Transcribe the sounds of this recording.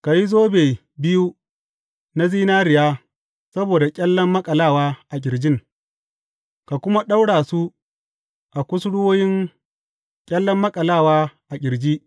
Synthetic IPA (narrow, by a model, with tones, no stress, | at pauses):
ka˨ji˦zoː˦beː˨ | bɪ˦ju˦ | na˦ziː˦naː˦ɾɪ˨jaː˦ | sɐ˦boː˨da˨kʲʼɐ˦lːɐ˦mːɐ˦kʼɐ˨laː˦˨waː˦ʔa˨ɡʲɪ˨ɾd͡ʒɪ˦ŋ | ka˨kʷʊ˦ma˦ɗa˦wɽaː˨su˦ | ʔa˨kʷʊ˦sɽʊ˦woː˦jɪ˦ŋ | kʲʼɐ˦lːɔ˦mːɐ˦kʼɐ˨laː˦˨waː˦ʔa˨ɡʲɪ˨ɾd͡ʒiː˦ʔ